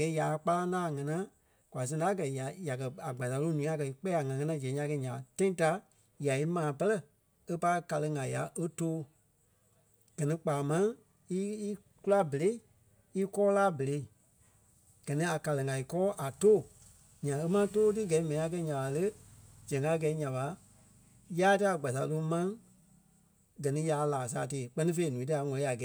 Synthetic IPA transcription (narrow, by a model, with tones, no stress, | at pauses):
a˨ɡɛ˨˦ja˨˧k͡pa˧la˦nãː˦˨ŋã˧nã˦ | kwa˨s̬ɛ̃˧a˦k̬ɜ˨ja˨ja˨kɜ˨a˨ɡ͡ba˨za˨˦lo˧˦nũː˨˦a˨˧kɜ˨i˧k͡pɛ˦a˨ŋã˨ŋã˧nã˧˦d͡ʒɛ̃˨˦ã˧˦kɛ˧˦ɲã˨tã˦ĩ˦ta˧˦ | ja˨i˦mãː˨pɜ˦lɜ˦ | e˦pa˧˦ka˨˧lə˧ŋã˨ja̰˨ʔə˦toː˦ | ɡ̥ɜ˨nĩ˧k͡paː˨mã˦ | i˦ | ku˦la˦bə˨le˨˦i˦˨ | i˦kɔː˦laː˦bə˨le˧i˨ | ɡ̥ɜ˨nĩ˨˦a˨ka˨lə˨ŋã˨i˨kɔː˦ʔa˨toː˦˨ | ɲã˨e˦mã˦toː˦t̬ɨ˦ɡɛ˨i˦mɛ̃˨ĩ˨˦a˨˧k̬ɛ˧˦ɲã˨ɓa˨lə˦d͡ʒɛ̃˨ŋɡa˦ɡɛ˨˦ɲã˨ɓa˨˦ | jaː˦tɨ˦a˨ɡ͡ba˨s̬a˨lo˧˦mã˦ŋ | ɡɜ˨nĩ˧˦ja˨˦laː˨s̬a̰ː˨˦˨teː˨˦˨k͡pɜ˦nĩ˦fe˧i˦nũ˨˦ti˧˦a˧˦ŋɔ̃˧li˦a˨ɡɛ˨˦